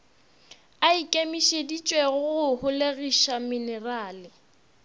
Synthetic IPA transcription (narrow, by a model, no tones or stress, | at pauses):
aikʼemiʃedit͡ʃʼweɣʊɣʊhʊleɣiʃaminɛraːlɪ